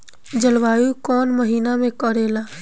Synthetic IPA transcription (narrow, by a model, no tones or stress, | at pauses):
d͡ʒəlʋaːjukɔːnməɦiːnamẽkəɾeːlaː